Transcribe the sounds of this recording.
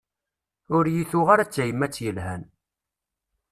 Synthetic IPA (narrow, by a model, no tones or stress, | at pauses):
ʊɾjiθʊʁaɾat͡sːæjəmːæt͡sːjəlhæn